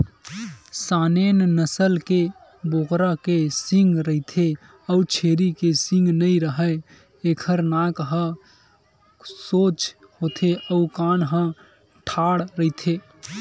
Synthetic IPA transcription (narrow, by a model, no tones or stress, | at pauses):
sanennəsəlke | bokɾakesiŋɡɾəɦit̪ʰe | əut͡ʃʰeːɾikesɪ̃ŋɡnəiɾəɦə | eːkʰəɾnakɦə̃ | sot͡ʃ | hot̪ʰeʔəukanɦə̃ | ʈʰaːɽɾəɦit̪ʰe